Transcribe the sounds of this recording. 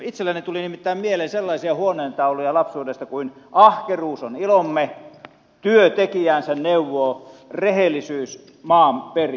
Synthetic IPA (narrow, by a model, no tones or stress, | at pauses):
it̪selːænit̪ulinimit̪ːæˑːmmieleːnselːɑisiɑhuoneːnt̪ɑulojɑlɑpsuːdest̪ɑkuin | ʔɑhkeruːsonilomːe | t̪yøt̪ekiæːnsenneuʋːoːrehelːˑisyːs | mɑːmperi